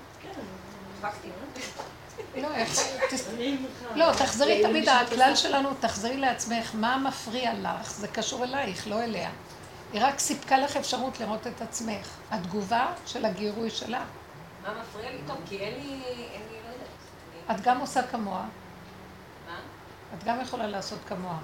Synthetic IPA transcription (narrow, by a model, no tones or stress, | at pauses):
ken | fakt̪i | lo̞eχt̪i | lo̞t̪aχzeʁitamid̪aaklalʃe̞lanutaχzeʁile̞at͡sme̞χmamafʁiala̰χzekaʃuʁelajeχlo̞elea̰ | iʁaksipkalaχefʃaʁutliʁo̞te̞tat͡sme̞χ | ad̪ɡuvaʃe̞laɡiʁujʃe̞̰la | mamafʁiait̪okienlienilod | atɡamosakamo̞a | ma | atɡamjeχo̞lalaːso̞tkamo̞a